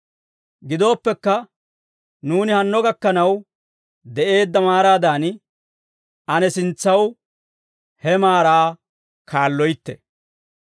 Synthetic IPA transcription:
ɡɪd̪o̞ːpːɛkːɐ | nuːnɪhɐnːɔɡɐkːɐnɐw | d̪ɛʔe̞ːd̪ːɐmaːɾaːd̪aːn | ɐnɛsɪnt͡sːɐw | hɛmaːɾaː | kʰaːlːɔjt̪ːɛ̰

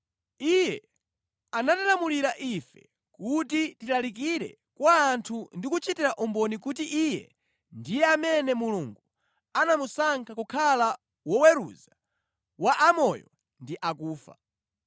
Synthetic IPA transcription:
ijɛ | anatalamuliɾaʔifɛ | kutitilalik̬iɾɛ̰ | kwaːntʰundikut͡ʃitiɾaʔumbɔnik̬utiʔijɛ̰ | ndijɛamɛnɛmuluŋɡu | anamusaŋkʰakukʰala | wɔwɛɾuza | waʔamɔjɔ | ndiʔakuːfa̰

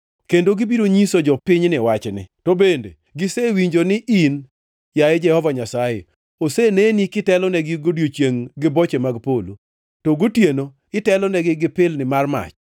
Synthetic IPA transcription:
kendoɡɪbiɾoɲisod͡ʒɔpɪɲnɪwat͡ʃnɪ̰tobendḛ | ɡɪsewiɲd͡ʒonɪʔin | jaɛd͡ʒɛhɔvaɲasajḛ | osenenikɪtɛlɔnɛɡɪɡodjot͡ʃjeŋɡɪbɔt͡ʃemaɡpolu | toɡotjeno | ɪtɛlɔnɛɡɪɡɪpɪlnɪmarma̰t͡ʃ

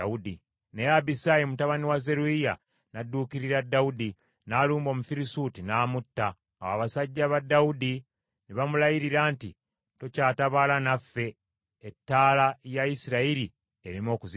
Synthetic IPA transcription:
audi | nejabisajemutaβaniwaze̞ɾuija | nadːukiɾiɾadːaudi | naːluːmbo̞mufiɾisuːtinaːmutːa̰ː | waβasaɟːaβadːaudi | niβamulajiɾiɾaːnti | to̞caːtaβalanafːe̞ː | tːaːlajaisiɾaiɾi | eɾimo̞ːkuzi

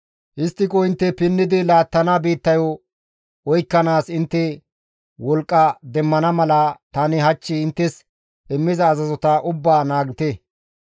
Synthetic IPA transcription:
ʔɪst̪ːɪkɔɪnt̪ːɛpɪnːɪd̪ɪlaːt̪ːɐnabiːt̪ːɐjɔ | ɔjkːɐnaːsɪnt̪ːɛ | wɔlkʼːɐd̪ɛmːɐnɐmɐlɐt̪ɐnɪɦɐt͡ʃːɪɪnt̪ːɛs | ɪmːɪzɐːzɐzɔt̪ɐʔʊbːaːnaːɡɪt̪ɛ

